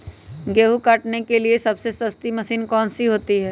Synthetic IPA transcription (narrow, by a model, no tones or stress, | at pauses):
ɡeːɦukɐʈnekeliesɐbsesɐst̪imɐsiːnkɔːnsiɦoːt̪iɦɛː